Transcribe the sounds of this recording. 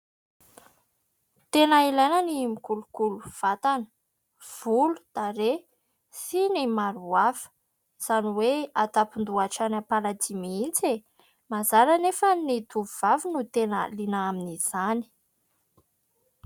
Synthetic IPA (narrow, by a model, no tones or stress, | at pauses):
t̪enəilajnənimikulukuluv̥at̪anə̥ | v̥ulud̪̥aɾe | sinimaɾuavə̥ | z̥aniweat̪apind̪uaʈ͡ʂanapalad͡zimiint͡se | mazaɾanefənit̪uvuvavinut̪enə̰linəaminiz̥ani̥